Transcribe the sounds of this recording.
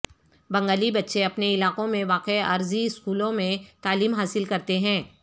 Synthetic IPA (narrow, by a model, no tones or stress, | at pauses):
bɐ̃ŋɡaːlibɐtːʃeɐpneɪlaːqõmẽʋaːqeɐɾziɪskuːlõmẽt̪aːliːmɦaːsɪlkɐɾt̪eɦɛ̃ː